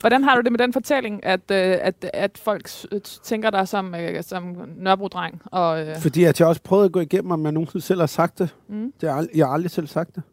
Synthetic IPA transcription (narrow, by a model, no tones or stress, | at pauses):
ʋɒdɾænɦɑ̈ɾ̥ud̥e̝med̥enfɒ̽t͡sʰel̰e̝ŋʔæd̥æd̥æd̥fɒ̽l̰ɡ̥st͡sʰeŋɡ̥ɐɾ̥ɑ̈ɪsɒ̽møsɒ̽mnɶɐb̥ʁud̥ʁɑ̈ŋ̰ɒ̽fɒd̥ḭːæd̥ʰiɒ̽sə̥pʰʁœːʊðˠɐɡ̥ɔ̰ːiɡ̥em̰m̩ɒ̽mjɑnːo̝ːnseð̩ˠsel̰hɑ̈sɑ̈ɡ̥̚d̥e̝d̥e̝jɑɑɑld̥ʁisel̰sɑ̈ɡ̥̚d̥e̝